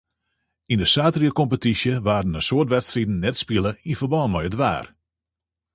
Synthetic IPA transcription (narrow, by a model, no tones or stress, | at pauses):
indəsaːtriəkɔmpətisjəʋaːrdənənsoərtʋɛtstridn̩nɛtspilˠəinfərbɔːnmɔjədʋa̰ːr